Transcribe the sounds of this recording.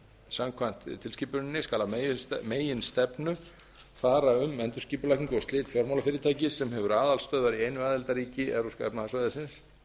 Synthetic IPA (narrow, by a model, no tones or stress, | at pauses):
samkʰvajn̥t̪t̪ʰɪlsciːpʏnɪnːɪskaːlammeːjɪnst̪ɛpnʏ | faːɾaʏmɛnt̪ʏɾ̥sciːpʏlahk̪ɪŋkɔst̪lɪːt̪fjɔɾmolafɪːɾɪt̪ʰaːjcɪsɛmhɛvʏɾaːðalst̪œːðvaɾieːjnʏaːðɛlt̪aɾiːcɪʔɛɾuskaɛ̰pnaθasvajðɪsɪns